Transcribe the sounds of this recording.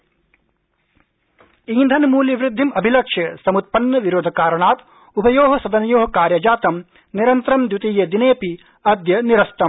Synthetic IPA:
iːnd̪ʱɐnmuːljɐʋɾɪd̪ʱːimɐbʱilɐkʂjɐsɐmut̪̚pɐnːɐʋiɾoːd̪ʱɐkaːɾɐɳaːt̪ | upɐjoːɦɐsɐd̪ɐnjoːɦɐkaːɾjɐd͡ʒaːt̪ɐm | niɾɐnt̪ɾɐmd̪jut̪ijeːd̪ineːpi | ɐd̪jɐniɾɐst̪ɐm

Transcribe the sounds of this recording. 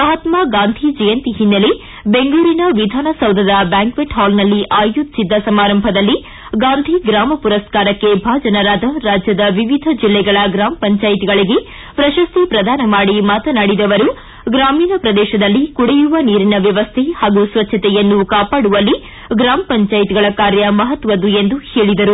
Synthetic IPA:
ɐɦɐt̪maːɡaːnd̪ʱid͡ʒɛjɐnt̪iɦinːɐli | be̞ŋɡɭuːɾinɐʋid̪ʱaːnɐsɐwd̪ʱɐd̪ɐbjaːŋkʋeʈɦaːlnɐlːiʔaːjud̪sid̪ːɐsɐmaːɾɐmbʱɐd̪ɐlːi | ɡaːnd̪ʱiɡɾaːmɐpuɾɐskaːɾɐkːe̞bʱaːd͡ʒɐnɐɾaːd̪ɐɾaːd͡ʒjɐd̪ɐʋiʋid̪ʱɐd͡ʒilːɛɡɐɭɐɡɾaːmɐpɐɲt͡ʃaːjit̪iɡɐɭiɡe | pɾɐʃɐst̪ʰipɾɐd̪ʱaːnɐmaːɽimaːt̪ɐnaːɽid̪ɐʋɐɾu | ɡɾaːmiːnɐpɾɐd̪ɛːʃɐd̪ɐlːikuɽejuʋɐniːɾinɐʋjɐʋɐst̪ʰehaːɡusʋɐtːʃʰɐt̪ɛjɐnːukaːpaːɽuʋɐlːi | ɡɾaːmɐpɐɲt͡ʃaːjit̪iɡɐɭɐkaːɾjɐmɐɦɐt̪ʋɐd̪uend̪uheːɭid̪ɐɾu

